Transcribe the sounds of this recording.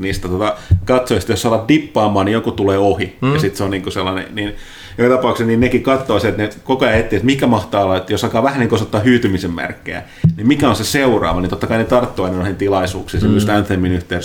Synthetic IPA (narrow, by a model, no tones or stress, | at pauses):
niːst̪æt̪ot̪ɑkɑt̪soist̪jossɑlɑt̪̚dipːɑːmɑːnnijokut̪uleːohijjɑsit̪seonniːŋkoselːɑnḛniːn | jokɑt̪ɑpɑˑuksesninnekikɑt̪ːoːseet̪nekokojɑet̪ːiːset̪mikæmɑht̪ɑːlɑet̪ːjosɑlkɑːʋæhæniŋkosot̪ːɑːhyːt̪ymisemmæ̰rkːḛæ̰ | nimmikæonseseurɑ̰ːʋɑnint̪ot̪ːɑkɑinet̪ɑrt̪ːoɑinɑnoihent̪ilɑisuːkseːnsemyst̪ænθemːinyht̪eːˑ